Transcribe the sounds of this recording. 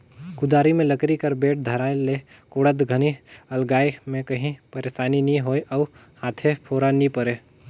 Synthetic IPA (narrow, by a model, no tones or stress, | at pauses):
kʊd̪aːɾimẽləkɾikəɾbeːʈ̚d̪ʱəɾaːele | koːɽət̪ɡʱəniəlɡaːemẽkəɦĩpəɾeːʃaːninĩɦoːeʔɔʊ | haːt̪ʰepʰoːɾanipəɾe